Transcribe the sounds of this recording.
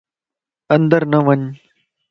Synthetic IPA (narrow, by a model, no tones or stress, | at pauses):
ə̃nd̪əɾnəʋəɲ